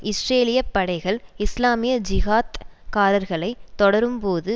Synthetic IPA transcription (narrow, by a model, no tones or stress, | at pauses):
ɪsɾeːlɪjɐpːɐɽɐɪɣɐɭɪslaːmɪjɐd͡ʒɪɣaːt̪kaːɾɐɾɣɐɭɐɪt̪ːɔɽɐɾɯmpoːðɯ